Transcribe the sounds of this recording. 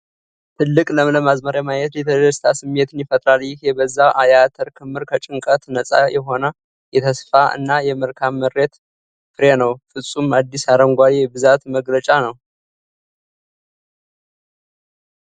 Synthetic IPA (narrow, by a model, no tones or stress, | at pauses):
t̪ʰɨlːɨkʼləmləmazməɾjamajɛt̪jɛt̪ʰəd̪əst̪ʰasɨmːe̞t̪ʰɨnjɪfət̪ʼɾaljɪhebəzːaʔajat̪ʰəɾkʰɨmːɨɾkʰət͡ʃʼɨŋkʼət̪nəsʼa̰jɛɦo̞nə | jɛt̪ʰəsfaʔɨ̰nːajɛmɨɾkʰamːəɾːe̞t̪ | fɨɾenəwfɨsʼumad̪ːisaɾəŋɡʷaɾebɨzat̪məɡlət͡ʃʼanəw